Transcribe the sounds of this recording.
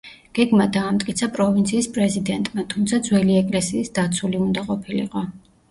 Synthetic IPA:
ɡ̥ɛɡmad̪aːmt̪ʼkʼit̪sʰapʼɾɔvint̪sʰiːspʼɾɛzid̪ɛnt̪ʼmat̪ʰumt̪sʰad̪zwɛliɛkʼlɛsiːsd̪at̪sʰuliund̪aqʼɔpʰilḭqʼɔ

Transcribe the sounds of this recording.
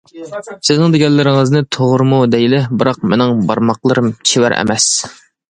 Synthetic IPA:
sɪznɪŋd̪eɡʲɛlːɪɾɪŋɨznɨt̪ʰoʁɾɨmud̪ɛjlɪbɨɾɑq̚mɪnɪŋbɑɾmɑqlˠəɾɨmt͡ʃʰɪwæ̰ɾʔɛ̰mɛs

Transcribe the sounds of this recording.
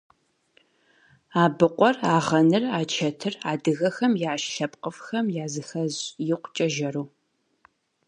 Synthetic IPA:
aːbɨqʷɔraːʁɐnɨraːt͡ʃʰɐtʰɨraːdɨɣɐxɐmjaːʃʃɐpqəfxɐmjaːzɨxɐzjɪqʷt͡ʃʼɐʒɐruː

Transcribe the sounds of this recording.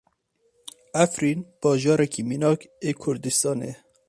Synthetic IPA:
æfɾinb̥ɑːʒɑːɾɛkʰiminɑːkekʰʊɾd̪ist̪ɑːnḛ

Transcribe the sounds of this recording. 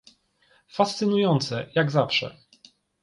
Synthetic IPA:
fast̪sɘnujɔnt̪sɛjaɡzafʂɛ̰

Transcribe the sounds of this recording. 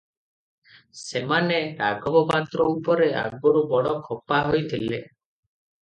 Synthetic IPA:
semaneɾa̰ɡɔbɔpat̪ɾɔupɔɾea̰ɡɔɾubɔɽɔkʰɔpaɦojt̪ʰile

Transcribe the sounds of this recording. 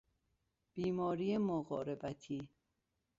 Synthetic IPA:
b̥iːmɒːɾiːjemoɣɒ̰ːɾebæt̪ʰiː

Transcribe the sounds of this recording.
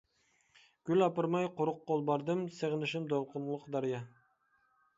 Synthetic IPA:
ɡ̥ʲylʲɑpɑɾmɑjqʊɾʊq̚ːolˠbɑɾd̪ɨmseʁnɪʃɪmd̪olˠqʊnlˠʊqd̪ɑɾijɑ

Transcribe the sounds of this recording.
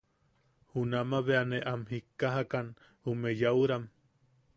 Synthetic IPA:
hunamaβeaneʔamɦikːaɦakan | umejauɾam

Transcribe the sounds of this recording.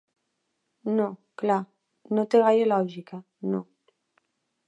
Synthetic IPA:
nokla | not̪eɣajelɔʒika | no

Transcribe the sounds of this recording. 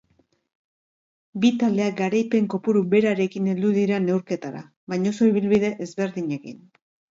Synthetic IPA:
bit̪ald̪e̞ak̚ɡaɾajpe̞ŋko̞puɾuβe̞ɾaɾe̞kine̞ld̪uðiɾane̞wɾke̞t̪aɾa̰ | βajɲo̞so̞iβ̞ilβið̞e̞ʔezβe̞ɾðiɲe̞kḭn

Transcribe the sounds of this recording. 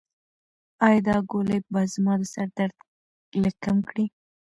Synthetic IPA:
ɑjd̪ɑɡolebɑzmɑd̪əsaɾd̪aɾd̪ | ləkamkɽi

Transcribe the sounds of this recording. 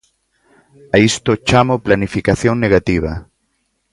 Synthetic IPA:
aist̪ot͡ʃamoplanifikaθjoŋneɣat̪iβ̞a

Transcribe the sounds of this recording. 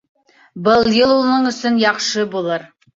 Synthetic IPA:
bɤlˠjɤlˠulˠnɤɴɵ̆sɵnjɑqʃɤbulˠɤɾ

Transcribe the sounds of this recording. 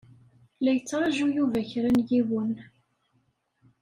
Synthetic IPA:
læjət͡sːɾˤɑʒujuvæçɾənjiwən

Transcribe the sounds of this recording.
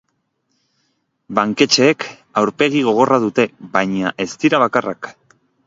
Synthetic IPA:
baŋke̞t͡ʃe̞ːk | awɾpe̞ɣ̞iɣ̞o̞ɣ̞o̞rað̞ut̪e̞βajɲaʔe̞st̪iɾaβ̞akara̰k

